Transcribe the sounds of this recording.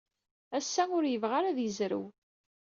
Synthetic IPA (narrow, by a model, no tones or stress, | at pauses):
æsːæʊɾjəvʁaɾæðjəzɾə̰w